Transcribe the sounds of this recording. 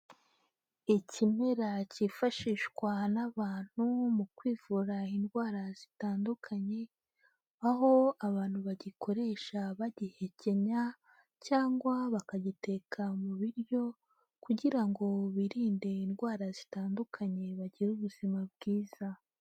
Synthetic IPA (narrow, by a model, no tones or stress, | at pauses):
icʰime̞ɾacifaʃiʃkwanaβaːn̥humukwiːvuɾainɡwaːɾazitaːndukʰaɲe̞ | aɦo̞aβaːn̥huβaɟikʰo̞ɾe̞ʃaβaɟihe̞ce̞ɲa | caːŋɡwaβakaɟite̞kʰamuβiɾjo̞ | kuɟiɾaŋɡo̞βiɾiːnde̞inɡwaːɾazitaːndukʰaɲe̞βaɟiɾuβuz̥imab̚ɡiːz̥a